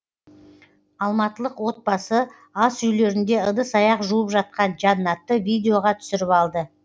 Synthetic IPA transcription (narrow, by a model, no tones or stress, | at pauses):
ɑlˠmɑt̪əlˠəqwo̞t̪̚bɑsə | ɑsʏjle̞ɾɪnd̪e̞əd̪əsɑjɑqʒuwəpʒɑt̪̚qɑnʒɑnːɑt̪ːəvijd̪ʲeo̞ʁɑt̪ʰʏ̥sɪɾɪpɑlˠd̪ə